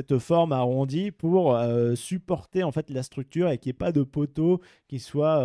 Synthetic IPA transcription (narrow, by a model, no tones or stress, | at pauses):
ɛt̪fɔʁmaʁɔ̃d̪ipuʁøsypɔʁt̪eɑ̃fɛt̪last̪χyk̚t̪yʁekʲiɛpad̪əpot̪o | kʲiswa